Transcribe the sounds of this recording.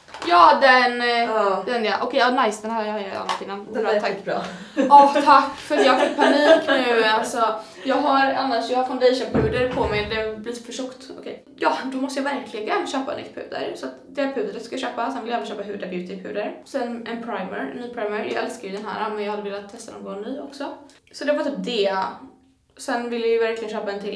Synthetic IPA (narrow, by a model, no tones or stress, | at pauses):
jɑːd̪ɛnd̪ɛnjɑʔɔkʰɛjanajsd̪ɛnɦæːɾjhaja̰nːat̪ɪnːanːt̪ʰː | ɔt̪ʰakːfœɾat̪jɑhɡafɪkːpʰaniːknʉalsɔ | jɑːɡɦaɾanːaʂjɑːɡhaɾfand̪eʃənpʰʉːd̪əɾpʰɔmɛjd̪ɛbliːt̪ə̥fœʂɔkt̪ɔ̰kʰɛj | jɑːd̪ɔmɔst̪əjɑvæɾkʰlɪɡənɕøːpa̰nɪ̰t̪ːpʰʉ̰ːd̪ə̰ɾsɔat̪d̪ɛɾpʰʉ̟ːd̪əɾət̪skajɑɕøːpasɛnvɪljaɛvənʃœːpaɦʉːd̪abjʉ̟ːt̪ɪpʰʉ̟ːd̪əɾsɛnʔɛnpʰɾajmɛɾnːyːpʰɾaɪmɛɾɪjɑ̰ɡɛlskadjʏd̪ɛnɦæ̰ːɾamɛnjɑɡhad̪ːəveːlat̪ʰːɛst̪ad̪ɔ̰mɡonːyːɔksɔ | sɔd̪ɛvaɾt̪ʰyːp̚d̪eː | sɛnvɪljajvæɾklɪɡənɕøœːpaɛnt̪ʰɪl